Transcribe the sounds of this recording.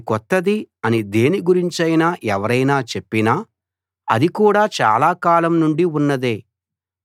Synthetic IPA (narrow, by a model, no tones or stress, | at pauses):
kɔt̪ːɐd̪iɐnid̪e̞ːniɡuɾiɲt͡ʃɐjnaːʔɛʋɐɾɐjnaːt͡ʃe̞pːinaː | ɐ̰d̪ikuːɽaːt͡ʃa̰ːlaːkaːlɐmnuɳɖiunːɐd̪e̞ː